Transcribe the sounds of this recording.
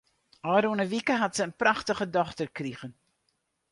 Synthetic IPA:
ɑːɾonəvikəɦatsəənpraχtəχədɔχtərkriχən

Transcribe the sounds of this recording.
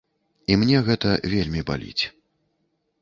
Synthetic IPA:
imnʲɛɣɛt̪ɐvʲelʲmʲiba̰lʲḭt͡sʲ

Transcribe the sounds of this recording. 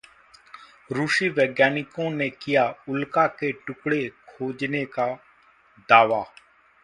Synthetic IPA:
ɾuːʃiʋeːɡjaːnɪkõnekɪjaʊlkakeʈʊkɽekʰoːd͡ʒneka | d̪aːʋaː

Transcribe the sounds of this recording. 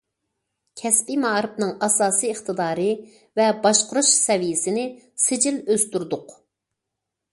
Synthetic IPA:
kʲʰɛspimɑɾɨpnɨŋɑsɑːsijəχt̪ʰɨd̪ɑːɾɨ | vɛbɑʃqʊɾuʃsɛvijɪsɪnɪ | sɪd͡ʒɪløzt̪yɾd̪ʊq

